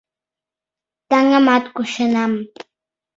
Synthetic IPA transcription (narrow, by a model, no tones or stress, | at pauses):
t̪aŋamat̪kʊʃanam